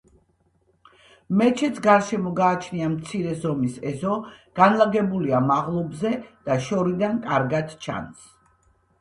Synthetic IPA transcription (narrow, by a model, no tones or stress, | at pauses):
mɛt͡ʃʰɛt̪sʰɡaɾʃɛmɔɡaːt͡ʃʰniamt̪sʰiɾɛzɔmisɛzɔɡ̥anlˠaɡɛbuliamaʁlˠɔbzɛd̪̥aʃɔɾid̪ankʼaɾɡad̪t͡ʃʰa̰ns